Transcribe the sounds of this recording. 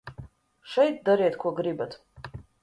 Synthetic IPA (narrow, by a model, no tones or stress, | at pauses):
ʃɛjt̪̚d̪aɾeːt̪kʰʷuɔɡɾibat̪